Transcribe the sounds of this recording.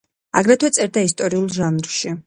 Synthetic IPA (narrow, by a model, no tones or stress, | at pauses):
a̰ɡɾɛt̪ʰwɛt̪sʼɛɾd̪ais̬t̪ʼɔɾiulˠʒanɾʃi